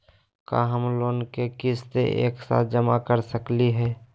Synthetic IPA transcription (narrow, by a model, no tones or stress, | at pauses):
ka̰ɦəmloːnkekɪst̪ḛʔḛːksa̰ːt̪̚ʰd͡ʒəmakəɾsəkliɦɛː